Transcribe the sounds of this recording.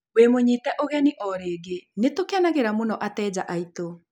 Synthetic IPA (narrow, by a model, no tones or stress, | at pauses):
wemoɲiːtɛʔoɣɛniʔɔɾeːɡenetokeanaɣeɾamonɔʔatɛːd͡ʑaʔaito